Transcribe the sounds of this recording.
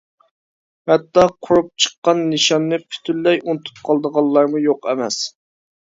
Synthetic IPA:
hɛt̪ːɑqʰʊɾup̚t͡ʃʰə̥qːɑnːɨʃɑnːɨpʰy̥t̪ʰylːɛjunɨt̪ʰu̥p̚qʰɑlˠd̪əʁɑlˠːɑɾmujoqɛmɛ̰s

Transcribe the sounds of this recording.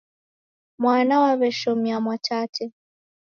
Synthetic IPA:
mwanawaβɛʃɔmiamwat͡ʃatʰɛ

